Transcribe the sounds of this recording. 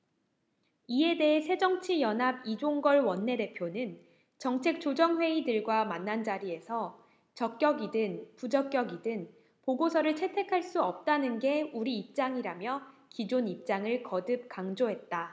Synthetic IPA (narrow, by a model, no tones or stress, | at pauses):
ie̞de̞ɦesʰe̞d͡ʑʌŋt͡ɕʰijʌnɦabid͡ʑoŋɡʌɭwʌnːe̞de̞pʰjonɯn | t͡ɕʌŋt͡ɕʰe̞k̚t͡ɕ͈od͡ʑʌŋɸwe̞idɯɭɡwamanːand͡ʑaɾie̞sʰʌ | t͡ɕʌk̚k͈jʌɡidɯnpud͡ʑʌk͈̚jʌɡidɯn | poɡosʰʌɾɯɭt͡ɕʰe̞tʰe̞kʰaɭs͈uʌp̚t͈anɯnɡe̞uɾiːp̚t͡ɕ͈aŋiɾamjʌkid͡ʑonip̚t͡ɕ͈aŋɯɭkʌdɯp̚k͈aŋd͡ʑoɦe̞t̚t͈a